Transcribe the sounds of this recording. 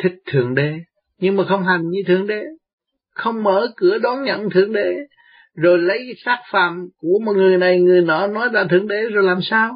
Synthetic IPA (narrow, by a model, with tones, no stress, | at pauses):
t̪ʰï˨˦˥k̟̚t̪ʰɨ˨˩əŋɗe˧˩˦ | ɲɨ˧ŋmaː˨˩xə˧wŋ͡mɦa˨˩jŋ̟ɲɨ˧t̪ʰɨ˨˩əŋɗe˨˩ | xə˧wŋ͡mməː˧˩˦kɨ˧˩əɗɔ˨˦nɲə̰˧˨nt̪ʰɨ˨˩əŋɗe˧˩ | zo˨˩jlə˨˦jsaː˦˥k̚fa̰ː˧˩˨mku˧˩əmɔ˨˩ŋɨ˨˩əjna˨˩jŋɨ˨˩əjnɔ̰˧˨nɔ˨˦jlaː˨˩t̪ʰɨ˨˩əŋɗe˧˩zo˨˩jlaː˨˩msaː˧w